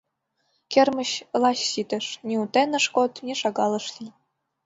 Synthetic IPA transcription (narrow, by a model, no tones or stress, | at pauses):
kʲermɘ̆ɕlˠɑɕsit̪ɘ̆ʃnʲeut̪enə̆ʂkot̪nʲeʃɑɣɑlˠɤ̆ʃli